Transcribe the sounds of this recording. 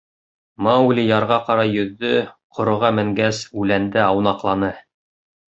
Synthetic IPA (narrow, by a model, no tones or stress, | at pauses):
mɑulʲijɑɾʁɑqɑɾɑjɵ̆ðːɵqʰŏɾŏʁɑmɘ̆ŋɡæsʉlænd̪ɘɑwnɑqlˠɑnɤ